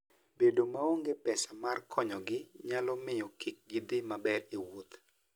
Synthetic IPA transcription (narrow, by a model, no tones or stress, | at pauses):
bedomaoŋɡepɛsamarkʰɔɲɔɡɪɲalɔmɪjɔkik̚ɡid̪ɪmabɛɾiwot̪